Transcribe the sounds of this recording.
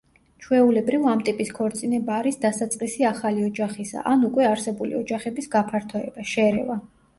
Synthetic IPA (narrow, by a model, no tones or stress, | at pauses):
t͡ʃʰwɛulɛbɾivamt̪ʼipʼiskʰɔɾt̪sʼinɛbaːɾisd̪asat̪sʼqʼisiaχaliɔd͡ʒaχisa̰ʔanukʼwɛaɾsɛbulḭɔd͡ʒaχɛbisɡapʰaɾt̪ʰɔɛ̰b̥aʃɛɾɛ̰va